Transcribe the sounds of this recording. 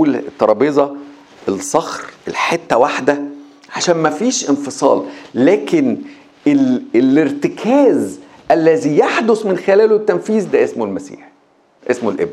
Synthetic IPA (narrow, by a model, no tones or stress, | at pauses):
lt̪ːɑɾˤɑbezˤɑ | elsˤɑxɾelħet̪ːæwaħd̪æ | ʕaʃæːnmæfiːʃʔɪnfɨsˤɑ̰ːllæːkɪn | eleleɾt̪ɪkʰæːz | ʔælːæzijaħd̪osˤmɪnxelæːlot̪ːænfiːzd̪æʔesmolmæsḭːħ | ʔesmolʔḛb